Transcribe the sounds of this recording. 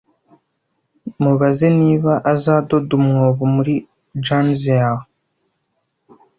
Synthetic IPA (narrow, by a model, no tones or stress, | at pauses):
muβazeniːβaʔazaːdo̞dumŋoːβumuɾi | d͡ʒanzea